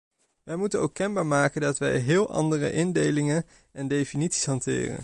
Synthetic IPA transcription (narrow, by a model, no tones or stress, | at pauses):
ʋɛjmutənowkːɛnbaːɹmaːkəndɑtʋɛ̰jɦɪːlˠɑ̰ndərə̰ʔɪndejlɪŋən | ɛndejfinitsi̥sɦɑntɪ̰ːrə̰n